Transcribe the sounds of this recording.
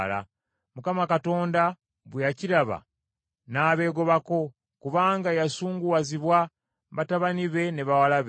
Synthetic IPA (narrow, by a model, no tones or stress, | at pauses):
la̰ | mukamakato̞ːnda | βwejaciɾaβa̰ | naːβe̞ːɡo̞βako̞ | kuβaːŋɡajasuːŋɡuwaziβwa | βataβaniβe̞neβawalaβe